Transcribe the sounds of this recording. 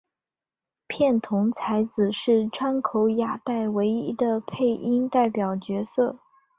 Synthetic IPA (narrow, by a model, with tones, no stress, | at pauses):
pʰjɛ˥˩nt̪ʰʊ˧˥ŋt͡sʰa˧˥ɪd͡zɹ̩˨˩ʂɻ̩˥˩ʈ͡ʂʰwa˥nkʰo˧˥ʊja˨˩t̪a˥˩ɪwe˧˥ɪi˧˥d̪ə˧pʰe˥˩ɪʔi˥ŋt̪a˥˩ɪpjɑ˨˩ʊt͡ɕɥɛ˧˥sɤ˥˩